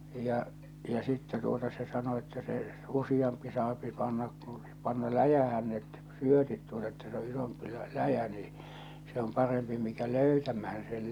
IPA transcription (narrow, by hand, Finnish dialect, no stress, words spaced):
jɑ jɑ sitːɛ tuotɑ se sɑno etːæ se usij̆ɑmpi sɑːpi pɑnːɑk ku pɑnːɑ læjæhæn net syøtit tuotɑ etːæ se o isompi læ læjæ niː se om pɑrempi mikæ løytæmæhæn sel